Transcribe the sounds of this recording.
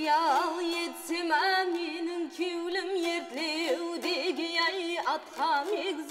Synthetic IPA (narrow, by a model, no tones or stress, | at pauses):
jɑlˠjet̪semæmenɪŋkʲʰiwlɪmjeɾt̪lewwd̪eɡʲɪjæjɑt̪qʰɑmeɡz